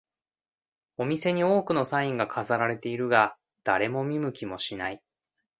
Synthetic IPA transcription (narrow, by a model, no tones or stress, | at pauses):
o̞mʲise̞ɲ̟io̞ːkɯ̟no̞saĩŋɡakʰazaɾaɾe̞t̪e̞iɾɯ̟ɡa | d̪̥a̰ɾe̞mo̞mʲimɯ̟kʲimo̞ɕinai